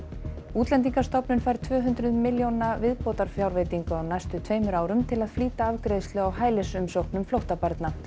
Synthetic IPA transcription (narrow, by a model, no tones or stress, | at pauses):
uːt̪lɛnt̪iŋkḁst̪ɔpnʏnfajɾ̥t̪ʰvœːɦʏnt̪ɾʏðmɪljownavɪðpɔːt̪aɾ̥fjawɾvejt̪iŋkʏawnajst̪ʏt̪ʰveːjmʏɾaːwɾʏmt̪ʰɪlaðfliːt̪aavkɾejðst̪lʏawhaːjlɪsʏmsowhknʏmflowht̪apaɾt̪na